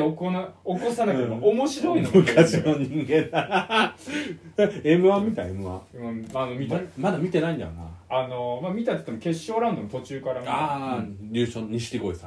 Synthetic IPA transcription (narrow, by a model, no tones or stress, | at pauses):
okonaokosanaaomo̞ɕiɾo̞inamɯ̟kʰaɕinoɲĩŋɡẽ̞na | t̪aemɯ̟βamʲit̪aemɯ̟βã̰anomʲiamad̪amʲit̪e̞naĩnd̪a̰o̰na̰anomamʲit̪at̪e̥t̪emoke̞ɕːo̞ːɾãnd̪omot̪o̞t͡ɕɨːkaɾamaɾʲɯːɕoɲiɕi̥ɾʲiɡoisa